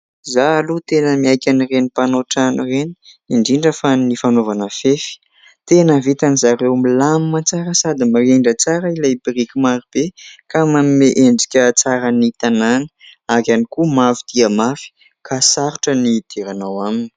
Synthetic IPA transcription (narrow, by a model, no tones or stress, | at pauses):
zaːlut̪enəmiajkʲanirenipanoʈ͡ʂanireni̥ | iɳɖ͡ʐiɳɖ͡ʐəfanifanovanəfefi̥ | t̪enəvit̪anizaɾewmilamimat͡saɾəsad̪imareɳɖ͡ʐət͡saɾəilajbirikʲimaɾib̥ekamamimeʔeɳɖ͡ʐi̥kʲət͡saɾənit̪ananə̥akanikumafid̪̥iəmafi̥ | kasaɾuʈ͡ʂənid̪̥eɾanawamini̥